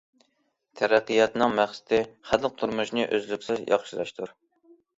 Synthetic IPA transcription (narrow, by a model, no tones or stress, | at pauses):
t̪ʰæɾæqːɨjɑt̪nɨŋmæχsɪ̥t̪ʰɪχæd̪q̚t̪ʰuɾmuʃnɨʔøzlykʲsɪzjɑ̰χʃiɾɑʃt̪ʰuɾ